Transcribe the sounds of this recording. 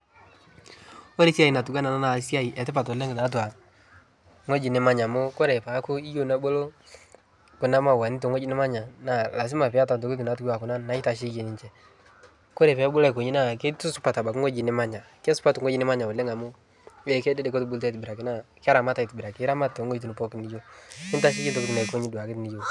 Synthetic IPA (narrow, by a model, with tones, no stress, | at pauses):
o˦ɾe˦si˦a˦i˨na˨tu˨ɡa˦na˨na˦na˨si˦a˦i˨ɛ˨tɪ˦pa˨to˨le˦ŋɡta˨˦t̬wa˨ | ŋo˦d͡ʒi˨nɪ˨˦ma˦ɲa˨mo˦ko˦ɾɛ˨pa˨˦kʊ˦i˦jo˦˨nɛ˦bo˦lo˦ | kʊ˨na˦ma˨wa˨ni˦t̬o˨ŋo˦d͡ʒi˦nɪ˦ma˦ɲa˨na˨la˨s̬i˦ma˨pɪ˨a˦ta˨nt̬o˨ki˦t̬u˨na˨t̬u˦ɡa˨kʊ˨na˦na˨˦i˦ta˨ʃ̬i˦ke˨ni˨t͡ʃɛ˨ | ko˦ɾɛ˨pɛ˨˦bu˦la˦˨ko˨ɲi˦na˦˨ke˦tu˦su˦pa˨ta˨ba˨kŋo˦d͡ʒi˨nɪ˦ma˦ɲa˨kɛ˦su̥˦pa˦tu˨ŋo˦d͡ʒi˦nɪ˦ma˦ɲa˨o˨le˦ŋa˨mo˦ | wɛ˦˨kɛ˦dɛ˦dɛ˦ko˦tu˦bu˦lt̬a˦tbi˨ɾa˨ki˦na˦˨ka˦ɾa˨ma˦ta˨i˨tbi˨ɾa˨kɪ˦ɾa˦ma˦to˨ŋo˦t̬u˨ni˨pɔ˦kni˦jo˦ɪ˦n˦ta˦ʃ̬i˦i˦nto˦ku˦tu˨na˨ko˦ɲi˦du˨a˨kɪ˦tni˦jo˨